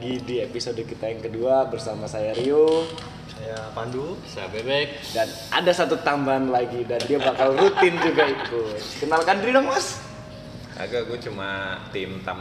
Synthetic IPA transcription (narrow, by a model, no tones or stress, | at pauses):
ɡidiepisodəkit̪ajaŋkəduabərsamasajaɾio | sajapandusajabebɛk̚dan | ʔa̰dasat̪ut̪ambaanlaɡidandiabakalrut̪ɪnd͡ʒuɡait̪ukənalkandɾidɔŋmas | a̰ɡaɡuɛt͡ʃumat̪ɪmt̪am